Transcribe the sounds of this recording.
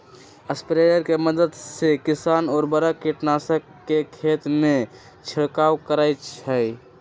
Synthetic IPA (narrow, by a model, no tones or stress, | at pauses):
əspɾeɖəɾkeməd̪əd̪sekisanɔːɾbəɾəkiʈnasəkːekʰet̪me | t͡ʃʰiɽkawkəɾajt͡ʃʰəj